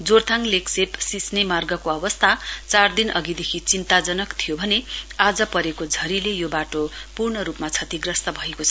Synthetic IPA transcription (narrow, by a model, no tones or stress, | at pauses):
d͡zort̪ʰaŋleksepsisnemarɡʌkoʌbʌst̪ʰat͡sard̪inʔʌ̰ɡid̪ekʰit͡sint̪ad͡zʌnʌkt̪ʰijobʱʌnead͡zʌpʌɾekod͡zʱʌɾilejobaʈopurɳʌɾupmat͡sʰʌt̪iɡrʌst̪ʌbʱʌekot͡sʰʌ